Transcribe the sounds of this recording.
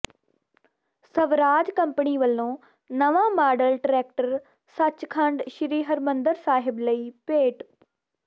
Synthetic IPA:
səʋɾaːd͡ʒkəmpəɳiːʋəlːõː | nəʋãːmaːɖəlʈɾɛːk̚ʈəɾ | sət͡ʃkʰəɳɖʃɪɾiːɦəɾmənd̪əɾsaːɦɪbləiːpeːʈ

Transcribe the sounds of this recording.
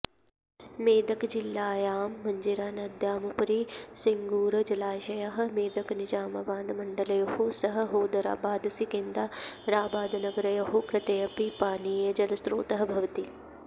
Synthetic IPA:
meːd̪ɐkd͡ʒɪlːaːjaːmːɐɲd͡ʒiɾaːnɐd̪jaːmɐpɐɾiːsɪŋɡuːɾd͡ʒɐlaːʃɐjɐɦɐ̆meːd̪ɐknɪd͡ʒaːmɐbaːnd̪mɐɳɖɐlɐjɐhosɐɦɐ̆ɦoːd̪ɐɾa̰ːbaːd̪sikẽnd̪aɾaːbaːd̪nɐɡɐɾɐjɐɦokɾɪt̪ejɐpipaːniːjɐd͡ʒɐlɐsɾoːt̪ɐɦɐ̆bʱɐʋt̪i

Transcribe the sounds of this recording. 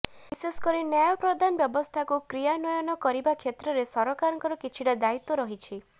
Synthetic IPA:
iseskɔɾinjajɔpɾɔd̪ʱanɔbjɔbɔst̪ʰakukɾijanɔjɔnɔkɔɾibakʰjet̪ɾɔɾesɔɾɔkaɾɔŋkɔɾɔkit͡ʃʰiɽad̪ait̪ɔɾɔɦit͡ʃʰi

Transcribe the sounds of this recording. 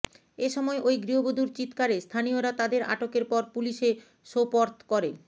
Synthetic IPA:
eʃɔmɔeʔojɡɾiɦobod̪ʱuɾt͡ɕit̪kaɾest̪ʰanioɾat̪ad̪eɾʔa̰ʈokeɾpɔɾpuliʃe | ʃopɔɾt̪ʰkɔɾe

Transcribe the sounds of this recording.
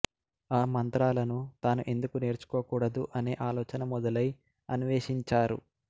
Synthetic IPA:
aːmɐnt̪ɾaːlɐnut̪aːnuʔe̞nd̪ukune̞ːɾt͡ʃu̥koːkuːɽɐd̪uʔɐne̞ːʔaːlɔːt͡ʃɐnɐmɔd̪ɐlɐj | ɐnuʋeːʂiɲt͡ʃaːɾṵ

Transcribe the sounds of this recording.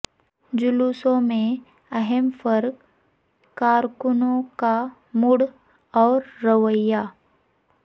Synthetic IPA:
d͡ʒʊlusõmẽ | ɐɦɛmfəɾk | kaːɾkʊnõka | mʊɽ | ɔːɾːəʋəja

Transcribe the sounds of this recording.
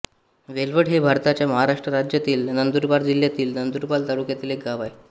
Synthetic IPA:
ʋelʋəɽɦebʱaɾt̪at͡ɕjaməɦaɾaʂʈɾəɾad͡ʑjat̪iːlnənd̪uɾbaɾd͡ʑil̤ːjat̪iːlnənd̪uɾpalt̪aɽukjat̪ilek̚ɡaʋaj

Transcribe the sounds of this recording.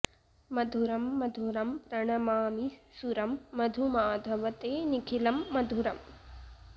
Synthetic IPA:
mɐd̪ʱuɾɐmːɐd̪ʱuɾɐmpɾɐɳɐmaːmisuɾɐmːɐd̪ʱumaːd̪ʱɐʋɐt̪eːnikʰilɐmːɐd̪ʱuɾɐm

